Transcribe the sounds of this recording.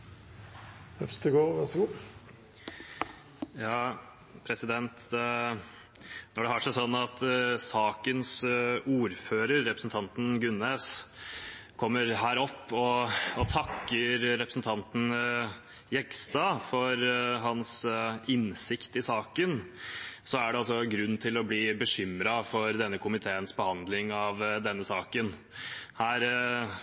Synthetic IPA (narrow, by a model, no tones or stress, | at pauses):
hœfst̪əɡoːʋɑʂɡuː | jɑː | pʰɾɛsɪd̪ɛnt̪d̪ɛ | nɔɖɛhɑːʂæɪsɔnːɑt̪sɑːkənsuːɾføːɾəɾːɛpɾəsn̩t̪ʰɑnt̪n̩ɡʉnːeːs | kʰɔmːəɾɦæːɾɔpːɔɔt̪ʰɑkːəɾɾɛpɾəsn̩t̪ʰɑnt̪n̩ | jɛkst̪ɑːfɔɾɦɑnsɪnsɪkt̪ɪsɑːkən | sɔæɖɛɑlsɔɡɾʉnːt̪ʰɪlɔbliːbəʂʏmɾɑfɔɾd̪ɛnːəkʰʊmɪt̪ʰeːənsbəhɑnd̪lɪŋɑʋd̪ɛnːəsɑːkən | hæːɾ